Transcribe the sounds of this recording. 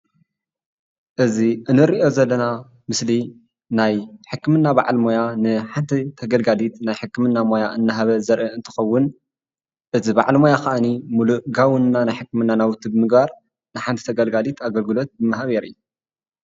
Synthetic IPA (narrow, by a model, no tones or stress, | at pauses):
ʔɨziʔɨnɨɾiʔo̞zɐlːɐna | mɨsli | najħɨkːɨmɨnːabaʕalmo̞janɨħant̪ʰit̪ʰɐɡɐlɡalit̪najħɨkːɨmɨnːamo̞jaʔɨnːaɦaβɐzɐɾʔɐɨnt̪ʰɨ̥xɐwːʊn | ʔɨzibaʕlmo̞jaxaʔɨnimuluʔɡawɨnnanajħɨkːɨmɨnːanawʊt̪ʰːibɨmɨɡbaɾ | nɨħant̪ʰi̥t̪ʰɐɡɐlɡalit̪ʰaɡɐlɡɨlo̞t̪̚bɨmɐɦaβeɾɨ̰jːu